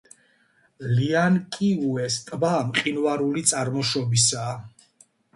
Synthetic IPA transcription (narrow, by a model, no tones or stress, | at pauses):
liankʼiuɛst̪ʼbamqʼinvaɾulit̪sʼaɾmɔʃɔbisaː